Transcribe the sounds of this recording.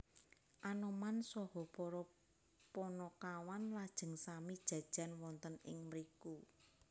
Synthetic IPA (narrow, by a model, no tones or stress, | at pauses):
ʔanɔmansɔhɔpɔɾɔ | pɔnɔkawanlad̥ʒ̥ə̤ŋsamid̥ʒ̥ä̤d̥ʒ̥ä̤nwɔnt̪ənɪ̰ŋməɾiku